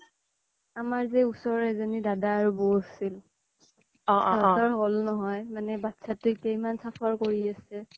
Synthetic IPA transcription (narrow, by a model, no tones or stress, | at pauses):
amaɹzɛusɔɹɛzanidadaːɹubosil | ɔʔtɔɹɦolnɔɦɔjmanɛbatsatʊkejmansapʰaɹkoɹiasɛ